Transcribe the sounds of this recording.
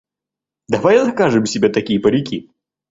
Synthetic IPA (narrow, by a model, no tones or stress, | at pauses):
d̪ɐvajzɐkaʐɨmsʲɪbʲat̪ɐkʲijəpəɾʲɪkʲi